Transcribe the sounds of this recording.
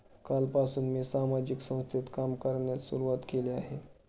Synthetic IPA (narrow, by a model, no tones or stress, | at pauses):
kalpasuːnmiːsamad͡ʑiksə̃w̃st̪ʰit̪kamkəɾnjasṵɾuʋat̪keleaɦe